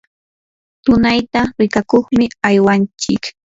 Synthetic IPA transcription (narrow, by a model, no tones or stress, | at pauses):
t̪ʊnajt̪aɾɪkakoχmɪajwant͡ʃɪk